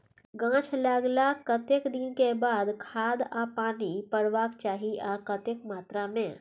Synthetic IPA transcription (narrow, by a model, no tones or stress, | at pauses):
ɡãːt͡ʃʰlaɡlakət̪ekd̪inkebaːd̪kʰaːd̪apaːnipəɽʋaːkt͡ʃaːɦiʔɔːɾkət̪ekmaːt̪ɾamẽ